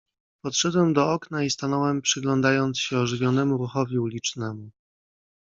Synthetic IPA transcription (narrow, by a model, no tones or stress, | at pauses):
pɔt̪ʂɛd̪wɛmd̪ɔɔknaist̪anɔwɛmpʂɘɡlɔnd̪ajɔnt̪sɕɛɔʐɘvʲjɔnɛmuɾuxɔvʲiulʲit͡ʂnɛmu